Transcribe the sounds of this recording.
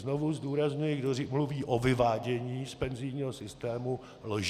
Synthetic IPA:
zno̞vuzduːɾazɲujɪɡdomluviːʔovɪvaːɟɛɲiːspɛnzɪjɲiːɦosɪst̪ɛːmu | loʒ

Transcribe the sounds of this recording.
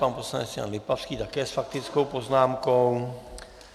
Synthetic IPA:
panposlanɛsɲea̰nlɪpafskit̪akɛːsfak̚t̪ɪt͡skowpoznaːmkow

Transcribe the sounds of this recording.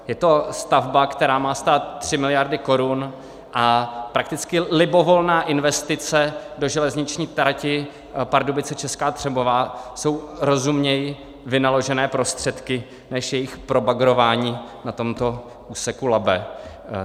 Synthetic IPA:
jɛt̪o̞st̪avbakt̪ɛɾaːmaːst̪aːt̪t̪ːr̥ɪmɪlɪjaɾdɪko̞ɾun | ʔapɾak̚t̪ɪt͡skɪlɪbo̞vo̞lnaːʔɪnvɛst̪ɪt͡sɛdo̞ʒɛlɛzɲɪt͡ʃɲiːt̪ɾacɪ | paɾdubɪt͡sɛt͡ʃɛskaːt̪r̥ɛbovaːso̞wɾo̞zumɲɛjɪ | vɪnalo̞ʒɛnɛːpɾo̞st̪r̝̥ɛt̪kɪ | nɛʃjɛjɪxpɾo̞baɡɾo̞vaːɲiːnat̪o̞mt̪o̞ | ʔuːsɛkulabɛ

